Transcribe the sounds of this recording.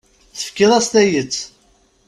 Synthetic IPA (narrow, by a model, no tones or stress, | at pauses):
θə̥fkːɪðˤæst̪æjət͡sː